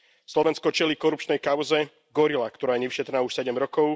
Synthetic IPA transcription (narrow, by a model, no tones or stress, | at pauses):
slɔʋɛnskɔt͡ʃɛlikɔɾup̚t͡ʃnɛjkaʊzɛ | ɡɔɾilakt̪ɔɾaːjɛɲɛʋiʃɛt̪ɾnaːuʃsɛɟɛmɾɔkɔʊ